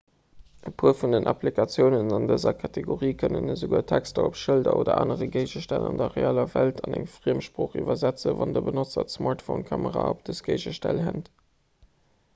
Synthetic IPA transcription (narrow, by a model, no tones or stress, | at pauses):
ʔəpʰuːɐfundənʔɑplikʰɑt͡sjəʊnənɑndəzɐkʰɑtʰeɡoʁiːkʰənənəzoɡuːɐtʰækstəopʃəldɐʔoːdɐʔaːnəʁəɡeɪʒəʃtælɑndɐʁeaːlɐvæltʰɑnæŋfʁiːəmʃpʁoːχiːvɐzæt͡səvɑndəbənot͡sɐtsmɑɹtfoʊnkʰɑməʁaːop̚d̥əsɡ̥eɪʒəʃtælɦænt